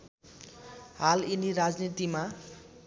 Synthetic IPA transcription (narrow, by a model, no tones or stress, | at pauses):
ɦaliniɾad͡znit̪ima